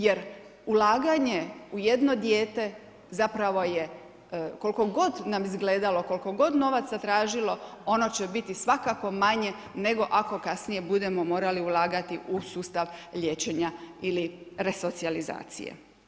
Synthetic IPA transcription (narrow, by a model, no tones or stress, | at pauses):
je̞ɾ | ulaːɡaɲe̞uje̞d̪no̞d̪jeːt̪e̞ | zapɾaʋo̞je̞ | ko̞lko̞ɡo̞d̪namizɡleːd̪alo̞ko̞lko̞ɡo̞d̪no̞ʋat̪sat̪ɾaːʒilo̞o̞no̞t͡ɕe̞bit̪isʋakako̞maɲe̞ | ne̞ɡo̞ʔako̞kasnije̞bud̪e̞mo̞mo̞ːɾaliulaːɡat̪iʔusuːst̪aʋʎʲe̞ːt͡ɕe̞ɲailiɾe̞so̞t̪sializa̰ːt̪sḭjḛ